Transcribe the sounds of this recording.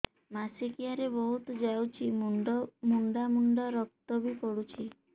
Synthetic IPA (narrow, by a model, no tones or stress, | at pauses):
masikiaɾebɔɦut̪ɔd͡ʒawt͡ʃʰimmuɳɖamuɳɖaɾɔk̚t̪ɔbikɔɽut͡ʃʰi